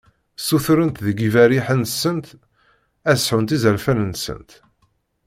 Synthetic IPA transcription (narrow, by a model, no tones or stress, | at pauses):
suθɾənt̪ðəɡivæɾiħənsːənt̪ | æ̥sħunt̪izəɾfænənsə̰nt̪